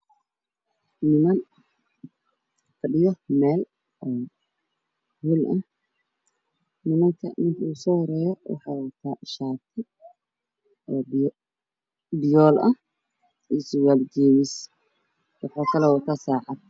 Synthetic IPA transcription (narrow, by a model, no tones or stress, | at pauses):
nɪmɐn | kʰɐɖɪjɔmɛːl | ʔɔː | hulʔɐh | nɪmɐŋkʰɐ̰nɪŋkʰuːsɔːhɾɛːjɔwɑ̰ħɑːwɐt̪ʰaːʃaːt̪ʰɪ | ɔːb | bɪjɔːlɐ | iːswaːld͡ʒiːmɪs | wɑħɑːkʰɐlɛwɐt̪ʰaːsaːʕɑd̪̚